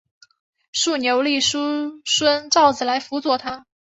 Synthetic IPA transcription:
ʂu˥˩njo˧˥ʊli˥˩ʂu˥ʂwə˥nʈ͡ʂɑ˥˩ʊd͡zɹ̩˨˩la˧˥ɪfu˧˥t͡swɔ˥˩t̪ʰa˥

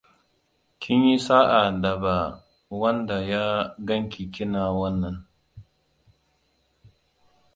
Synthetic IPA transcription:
kʲʰɪ˦ɲji˦saː˦ʔa˨dɐ˨ba˨ | wɐ˦nda˨jaː˦ɡɐ˦ŋkʲi˨kʲɪ˦naː˨wɐ˦nːɐ˨ŋ

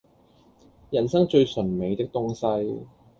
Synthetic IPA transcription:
jɐ˨˩nsɐ˥ŋt͡ʃɵ˧ɥsɵ˨˩nme˨˧jt̪ɪ˥k̚t̪ʊ˥ŋsɐ˥j

